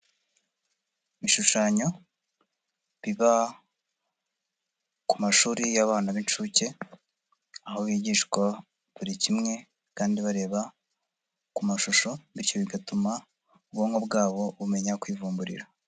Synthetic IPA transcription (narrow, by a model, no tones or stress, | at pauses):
miʃuʃaɲo̞ | βiβa | kumaʃuːɾijaβaːnaβint͡ʃuce̞ | ahoβiɟiʃkwa | βuɾicimŋe̞ | kaːndiβaɾe̞ːβa | kumaʃuʃo̞βiɾco̞βiɡatuma | ubɡoŋɡo̞bɡaːβo̞βume̞ɲakwiːvuːmbuɾḭɾa